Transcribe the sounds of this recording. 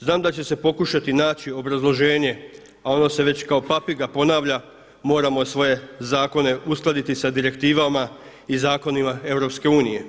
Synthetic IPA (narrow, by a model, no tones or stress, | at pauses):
znaːmd̪at͡ɕese̞po̞kuʃat̪inaːt͡ɕio̞bɾazlˠo̞ʒe̞ːɲe̞ | ao̞no̞se̞ʋe̞t͡ɕkao̞papiɡapo̞naːʋʎa | mo̞ːɾamo̞sʋo̞je̞zaːko̞ne̞usklˠad̪it̪isad̪iɾe̞kt̪iːʋama | izaːko̞nimae̞ʋɾo̞pske̞uːnije̞